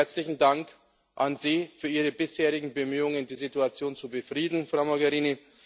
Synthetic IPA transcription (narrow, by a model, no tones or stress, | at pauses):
ɐt͡slɪçn̩daŋk | ʔanziːfyːɐʔiːʁəbɪsheːʁ̞ɪɡŋ̩bəmyːʊŋəndiːzituat͡sjoːnt͡subəfʁ̥iːdn̩fʁ̥aʊmoɡɛʁiːni